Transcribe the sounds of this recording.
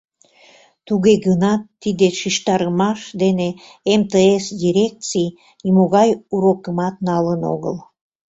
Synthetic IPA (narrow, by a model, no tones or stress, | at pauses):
t̪uɣeɣənɑt̪ːid̪eʃiʃt̪ɑɾəmɑʃd̪ene | emt̪eesd̪ʲiɾʲek̚t͡sij | imoɣɑjuɾokəmɑt̪̚nɑləno̰ɣə̰l